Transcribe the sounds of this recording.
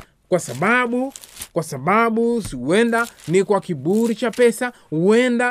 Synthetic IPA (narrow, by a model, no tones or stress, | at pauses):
kwasaɓaɓukwasaɓaɓusiwɛndanikwakibuɾit͡ʃapɛsa | uɛnda